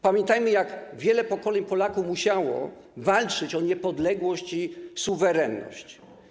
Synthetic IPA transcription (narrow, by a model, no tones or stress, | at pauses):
pamʲjɛnt̪ajmɘjaɡvʲjɛlɛpɔkɔlɛɲpɔlakufmuɕawɔ̰ | valt͡ʂɘt͡ɕɔɲɛpɔd̪lɛɡwɔɕt͡ɕisuvɛɾɛnːɔ̰ɕt͡ɕ